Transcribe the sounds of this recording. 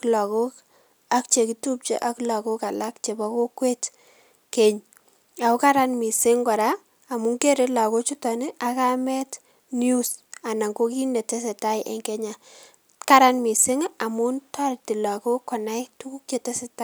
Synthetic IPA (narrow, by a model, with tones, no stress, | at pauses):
kla˨ko˦k | a˦k̚t͡ʃe˨ki˨tu˦p̚t͡ʃḛ˦ʔa˦kla˨ko˦ka˨la˦kt͡ʃe˨bɔ˦ko˦kwe˦t | ke˨ɲ | a˨o˦ka˦ɾa˦nmɪ˨sɪ˦ŋɡɔ˨ɾaː˦˨ | mʊ˦ŋke˦ɾe˦la˨ko˦t͡ʃʊ˦tɔ˨ne˦ʔa˨ka˦mɛ˦t | nju˦sa˨na˨ŋɡo˦ki˦ne˨te˦s̬e˨ta˦jʔḛ˨ŋkɛ˦ɲa˨ | ka˦ɾa˦nmɪ˨sɪ˦ŋa˨mʊ˦nta˦ɾti˨la˨ko˦kːɔ˨na˦jtu˦ku˦k̚t͡ʃe˨te˦se˨ta˦